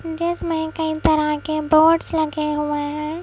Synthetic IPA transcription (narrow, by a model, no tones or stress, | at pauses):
ɖesmɛ̃kɐĩp̪ɐɾakeboːʈslɐɡeɦuaɦɛ̃ː